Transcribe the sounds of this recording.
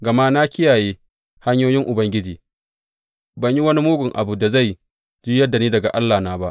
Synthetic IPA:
ɡɐ˨ma˦na˦kʰʲɪ˦jaː˨jeː˦ | ha˦ɲjoː˦jɪ˦ŋʔʊ˨bɐ˦ŋɡʲɪ˦d͡ʒiː˨ | bɐ˨ɲji˦wɐ˦ni˦muː˦ɡʷʊ˨ŋʔa˨bu˨da˨za˦˨j | d͡ʒi˦jɐ˦dːa˨niː˦dɐ˨ɡa̰˨ʔa˦lːaː˨naː˦ba˦ʔ

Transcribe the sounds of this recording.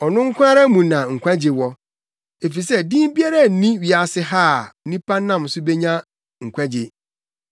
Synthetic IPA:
ɔ˨nʊ̃˦ŋ̩˦kʷʰã˦ɾa˦mũ˨nã˨ŋ̩˨kʷʰã˦d͡ʑɪ˨wɔ˦ | e˨fi˨sɛ˦dĩ˦m˦bi˦a˦ɾa˦˨n̩˨nĩ˦ɥi˨a˨sɪ˦ɦaː˦˨˦nĩ˦pʰa˦nːã˦˨m˨sʊ˦be˦ɲã˦ | ŋ̩˨kʷʰã˦d͡ʑɪ˨

